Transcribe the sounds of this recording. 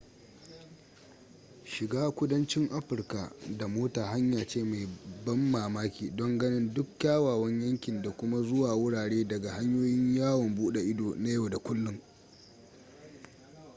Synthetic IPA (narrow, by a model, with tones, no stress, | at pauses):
ʃɪ˨ɡaː˦kʷʊ˦dɐ˦nt͡ʃɪ˦ŋʔa˦ɸɪ˨rka˨da˨moː˦taː˨ɦa˦ɲjaː˨t͡ʃeː˦˨ma˨jbɐ˦mːaː˨maː˦kʲiː˨dɔ˦ŋɡɐ˦nɪ˦ndʊ˦kkːʲaː˦waː˨wɐ˦ɲjɐ˦ŋkʲɪ˨nda˨kʷʊ˦ma˦zʊ˦waː˨wʊ˦ɽaː˨ɽeː˦dɐ˨ɡa˨ha˦ɲjoː˦jɪ˦ɲjaː˦wɔ˨mbuː˦ɗe˨ʔɪ˦doː˨na˦jo˨da˨kʷʊ˦lːʊ˦ŋ